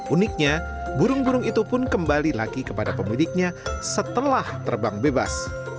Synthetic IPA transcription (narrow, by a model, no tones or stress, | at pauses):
ʔunɪk̚ɲa | buɾʊŋbuɾʊŋit̪upʊnkəmbalilaɡikəpadapəmidɪk̚ɲasət̪əlaht̪ərbaŋbeba̰s